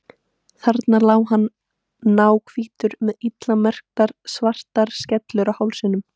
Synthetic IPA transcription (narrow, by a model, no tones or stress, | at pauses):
θaɾt̪naɾlaːwɦanː | aːwkʰviːt̪ʏɾmɛðit̪lamɛr̥k̚t̪aɾ̥svar̥t̪aɾ̥scɛt̪lʏɾawhawlsɪnʏm